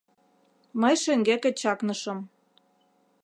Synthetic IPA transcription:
məjʃĕŋɡekĕt͡ɕɑknɤ̆ʃɤ̆m

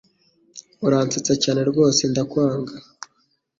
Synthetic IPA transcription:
uɾaːnt͡set͡sacaːne̞ɾɡo̞ːse̞ndakwaːŋɡa

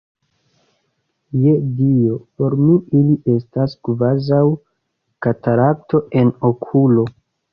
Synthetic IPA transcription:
jedio̞po̞ɾmiiliʔe̞staskvazaw | kataɾak̚to̞ʔe̞nokʰulo̞

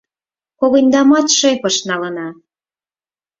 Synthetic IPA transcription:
koɣɤ̆nʲd̪ɑmɑt̪ʃepɤ̆ʃnɑlə̆nɑ

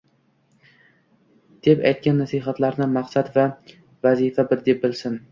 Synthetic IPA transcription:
d̪̥e̞pa̰jt̪̚kʲʰanːasiɦat̪laɾnɪmaqsat̪va | vazifabɪɾd̪ep̚bɪlsɪn

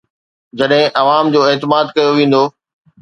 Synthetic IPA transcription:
d͡ʑɐɗɦɪ̃ʔɐʋaːmd͡ʑoːeːt̪ɪmaːd̪kɐjoʋẽːn̆d̪oː

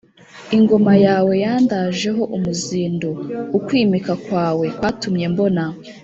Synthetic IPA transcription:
iŋɡo̞majaːwe̞jaːndaʒe̞ɦo̞ʔumuziːndoukwiːmikakwaːwe̞kwaːtumɲe̞mbo̞na

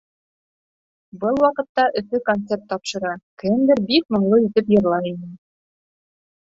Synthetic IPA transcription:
bɤlˠwɑqɤ̆t̪ːɑʔɵ̆fɘkont̪sert̪ːɒpʃɤ̆ɾɑkɘ̆nd̪ɘɾbikmŏɴlˠɤit̪ɘpjɤ̆ɾlˠɑinɘ

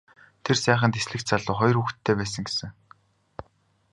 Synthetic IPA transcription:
t̪ʰersæːχə̆nt̪esɮɘ̆k̪̚t͡saɮʊːχɔj̆ruxt̪ʰːeːpæːs̬ə̆ŋɡesɘ̆ŋ

